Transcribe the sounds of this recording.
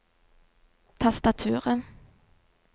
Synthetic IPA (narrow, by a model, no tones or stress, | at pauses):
t̪ʰast̪at̪ʰʉːʁən